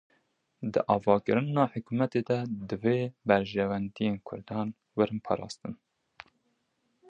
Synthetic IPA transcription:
d̪ɨ̰ʔɑːvɑːkɨɾɨnɑːħʊkumɛt̪eːd̪ɛd̪ɨveːbæɾʒɛwænd̪ijeːnkʰʊ̰ɾd̪ɑːn | wɨɾɨnpʰɑ̰ːɾɑ̰ːst̪ɨn

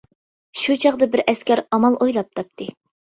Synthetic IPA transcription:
ʃut͡ʃʰɑʁd̪ɑbɪɾʔɛskʲɛɾɑmɑlˠʔojlˠɑp̚t̪ʰɑp̚t̪ʰɨ

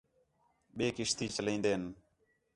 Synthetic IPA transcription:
ɓeːkɪʃt̪iːt͡ʃəlĩːnd̪eːn

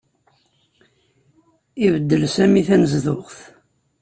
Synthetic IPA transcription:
ivəd̪ːəlsæmiθænəzðʊʁθ

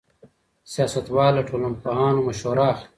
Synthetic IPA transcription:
sijaːsɐt̪waːlɐʈʰoːlɐmpɐɦaːnumɐɕoːɾaːx

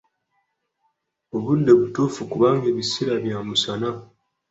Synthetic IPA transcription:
oβudːe̞βutufukuβaːŋɡeβisiɾaβjaːmusana

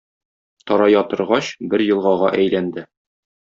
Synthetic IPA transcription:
t̪ɒɾɑjɒt̪ɤ̆ɾʁɑɕbɘɾjɤ̆lˠʁɑʁɑʔæjlænd̪ɘ

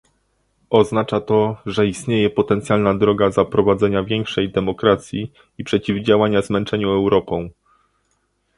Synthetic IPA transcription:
ɔznat͡ʂat̪ɔʐɛist̪ɲejɛpɔt̪ɛnt̪sʲjalnad̪ɾɔɡazapɾɔvad̪zɛɲavʲjɛŋkʂɛjd̪ɛmɔkɾat̪sʲji | ipʂɛt͡ɕivd͡ʑawaɲazmɛnt͡ʂɛɲuɛwɾɔpɔ̃w̃

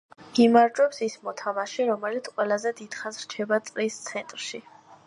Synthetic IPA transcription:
imaɾd͡ʒwɛpsismɔt̪ʰamaʃiɾɔmɛlit̪sʼqʼwɛlˠazɛd̪id̪̥χanzɾ̥t͡ʃʰɛbat̪sʼɾist̪sʰɛnt̪ʼɾʃi

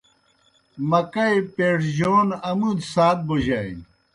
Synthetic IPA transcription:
mɐkɐjpeːʈd͡ʑoːnɐmud̪saːt̪̚boʑai

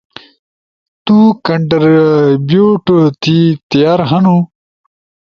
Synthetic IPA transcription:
t̪ukɐɳʈɐɾbjoːʈt̪it̪ijaːɾɦɐnu

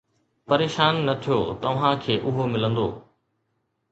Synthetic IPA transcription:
pɐɾeːʃaːnːɐt̪ʰijoːt̪ɐʋ̤ãkʰeːʔʊɦomɪlə̃nd̪o̰ː

